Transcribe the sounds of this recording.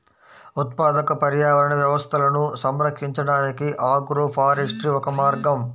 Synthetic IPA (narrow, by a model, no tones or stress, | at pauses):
ut̪̚paːd̪ɐkɐpɐɾjaːʋɐɾɐnɐʋjɐʋɐst̪ʰɐlɐnusɐmɾɐkʂiɲt͡ʃɐɽaːnikiʔaːɡuɾupʰaːɾeʂʈɾiʋɔkɐmaːɾɡɐm